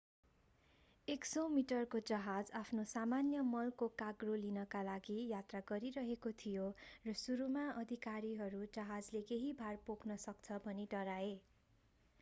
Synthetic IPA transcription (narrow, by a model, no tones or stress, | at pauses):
eksomiʈʌrkod͡zʌɦad͡zapʰnosamanjʌmʌlkokaɡrolinʌkalaɡijat̪raɡʌɾiɾʌɦekot̪ʰijorʌsuɾumaʌd̪ʱikaɾiɦʌɾud͡zʌɦad͡zlekeɦibʱarpoknʌsʌkt͡sʰʌbʱʌniɖʌɾae